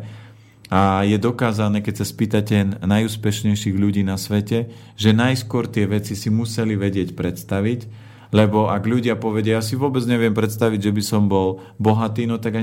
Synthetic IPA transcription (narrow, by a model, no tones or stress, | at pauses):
ajɛd̪ɔkaːzanɛːkɛcsaspiːt̪acɛnnajuːspɛʃɲɛjʃiːɣʎuɟiːnasʋɛcɛ | ʒɛnajskʊɔɾt̪ɪɛʋɛt͡sisimusɛliʋɛɟɪɛcpɾɛt̪st̪aʋic | lɛbɔʔaɡʎuɟɪapɔʋɛɟɪajaːsiʋʊɔbɛd͡zɲɛʋɪɛmpɾɛt̪st̪aʋiɟʒɛbisɔmbɔl | bɔɦat̪iːnɔt̪aɡa